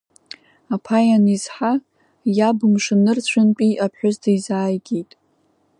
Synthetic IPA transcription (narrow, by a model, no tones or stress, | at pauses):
apʰajanizħa | jabɨmʂɨnɨrt͡ɕʷʰʊnpʼiʔapʰħʷᶣʊztʰaizaːjɡʲejtʼ